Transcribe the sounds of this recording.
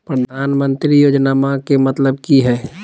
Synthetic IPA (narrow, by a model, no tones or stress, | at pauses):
pɾəd̪ʱaːnmə̃nt̪ɾijoːd͡ʒnaːmãkemɐt̪ləb̚kiɦɛː